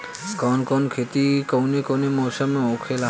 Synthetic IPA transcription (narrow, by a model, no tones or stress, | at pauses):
kɔnkɔnkʰet̪ikownekownemɔːsəmẽokʰela